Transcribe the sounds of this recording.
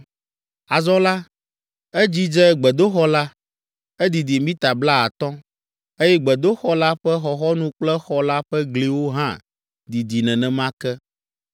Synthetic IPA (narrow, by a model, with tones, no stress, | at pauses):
a˨zɔ̃˦la˦ | ɛ˦d͡ʑi˦d͡ʒɛ˦ɡ͡bɛ˨d̪o˦xɔ˦la˦ | ɛ˦d̪i˨d̪i˨mĩ˦t̪a˨bla˦a˨t̪ɔ̃˦ | e˦jɛ˦ɡ͡bɛ˨d̪o˦xɔ˦la˦ɸɛ˦xɔ˨xɔ˦nũ˦k͡plɛ˦xɔ˦la˦ɸɛ˦ɡli˨wo˦ɦã˦ | d̪i˨d̪i˨nɛ̃˨nɛ̃˨mã˦kɛ˦